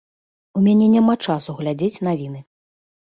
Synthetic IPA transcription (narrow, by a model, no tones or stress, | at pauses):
umʲanʲɛnʲamat͡ʂasuɣlʲad͡zʲet͡sʲnavʲin̪ɨ